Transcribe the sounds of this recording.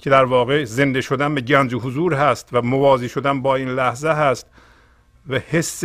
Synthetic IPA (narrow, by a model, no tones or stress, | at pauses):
cʰe̞d̪æɾvɒːɣe̞ze̞nd̪e̞ʃod̪ænbeɟænd͡ʒeɦozuːɾɦæst̪væmovɒːziːʃod̪ænbɒːiːnlæhzeɦæst̪ | væhesː